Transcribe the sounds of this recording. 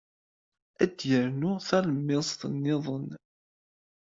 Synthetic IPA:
æd̪jəɾnʊθæləmːɪsˤt̪ənːɪðˤən

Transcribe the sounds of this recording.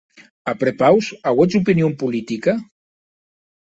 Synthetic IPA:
apɾepawsawɛt͡supinijompulit̪ika

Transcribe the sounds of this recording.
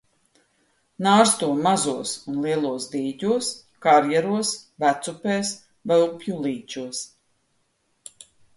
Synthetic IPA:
naːɾst̪uɔmazuɔsunlˠiɛlˠuɔsd̪iːɟʲuɔs | kaɾjɛɾuɔsvæt̪supeːs | vɛlˠpjulˠiːt͡ʃuɔs

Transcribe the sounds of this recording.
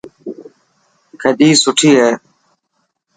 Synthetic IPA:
kʰəd̪iːsʊʈʰiːɦeː

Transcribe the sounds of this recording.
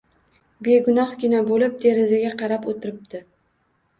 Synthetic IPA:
be̞ɡʊnɒhɡʲɪnabolɪp̚d̪e̞ɾɪzaɡʲaqʰɑɾapot̪ʰɪɾɪp̚d̪ɪ

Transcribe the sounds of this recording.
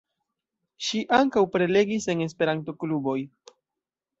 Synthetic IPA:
ʃiʔaŋkawpɾe̞le̞ɡise̞nes̬pe̞ɾanto̞klubo̞j

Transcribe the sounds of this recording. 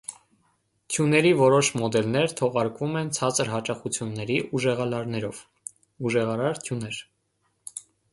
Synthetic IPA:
t̪ʰjunɛɾivɔɾɔʃmɔd̪ɛlnɛɾt̪ʰɔʁɑɾkumɛnt͡sʰɑt͡səɾɦɑt͡ʃɑχut͡sʰjunːɛɾiʔuʒɛʁɑlɑɾnɛɾɔv | uʒɛʁɑɾɑɾt̪ʰjunɛɾ

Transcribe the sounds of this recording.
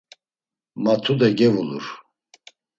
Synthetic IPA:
mat̪ʰud̪ɛɡɛvulṵɾ

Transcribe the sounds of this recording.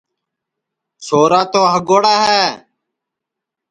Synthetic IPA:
soːɾaːt̪oːɦəɡoːɽaːɦɛː

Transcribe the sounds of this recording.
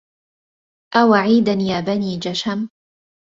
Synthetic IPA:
ʔawaʕiːd̪anjaːbaniːd͡ʒaʃam

